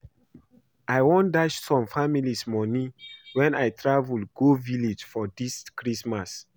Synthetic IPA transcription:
ʔajwɔ̃ndaʃsɔ̃mfamilismɔnĩwɛ̃najtɹavulɡovilid͡ʒfɔdiskɹismas

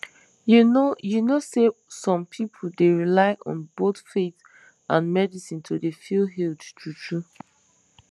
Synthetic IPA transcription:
junojunosesɔ̃mpʰipʰol̩deɹilaɪʔɔ̰̃nbotfet | ʔãnmɛdisĩntʰudefilɦildtutʰu

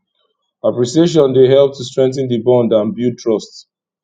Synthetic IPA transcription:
apɹisieʃ̬ɔ̃ndeɦɛlp̚tʰustɹɛ̃ŋk̚θə̃ndibɔ̃ndãnbjutʰɹɔst

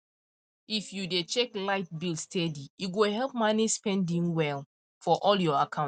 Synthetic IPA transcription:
ifjudet͡ʃɛklaɪt̚bilstʰɛdijuɡoɦɛlˠp̚manispɛ̃ndĩŋwɛl | fɔʔɔljɔakʰã

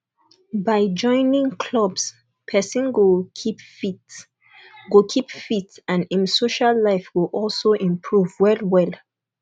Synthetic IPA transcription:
baɪd͡ʒɔ̃ɪ̃nĩŋkʰlɔbs | pʰɛsĩnɡokʰipfit | ɡokʰipfitãnĩnsoʃalːaɪfɡoʔɔlsoʔĩmpʰɹuvwɛlwɛl

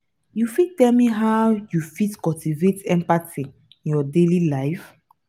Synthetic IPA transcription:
jufitɛlmiɦawjufitkɔltivetɛ̃mpati | ĩnjɔdelilaɪf

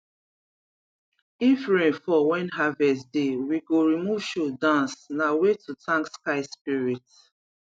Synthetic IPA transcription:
ifɹẽfɔwɛ̃nɦavɛsdewiɡoɹimuv̥ʃodãnsnawetʰutʰãŋkskaɪspiɹit

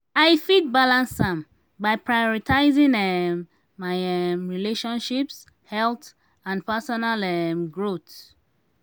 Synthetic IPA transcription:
ajfit̚balãnsãm | bajpʰɹajɔɹitʰaɪzĩŋɛmː | ajɛmɹileʃɔ̃nʃips | hɛlt | ãnpɛsɔnalɛmɡɹot

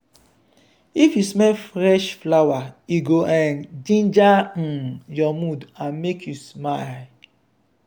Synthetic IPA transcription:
ifjusmɛfɾɛʃflawaiɡoʔãndĩnd͡ʒa | jɔmudãnmekʰjusmal

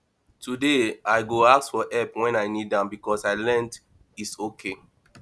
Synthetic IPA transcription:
tʰudeaɪɡoaksfɔʔɛpwɛ̃naɪnidãmbikɔsaɪlɛ̃nd | itsokʰe

